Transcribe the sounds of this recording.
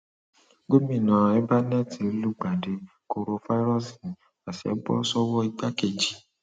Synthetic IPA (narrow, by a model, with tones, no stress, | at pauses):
ɡo˦mĩ˦˨nã˨ɛ˦ba˦nɛ˦te˨˧˦lu˦ɡ͡ba˨de˨ | ko˧ɾo˧fa˦i˦ɾɔ˦si˨ | a˨sɛ̰˨˦bɔ̰˦sɔ˦wɔ˦i˧ɡ͡ba˦ke˨d͡ʒi˨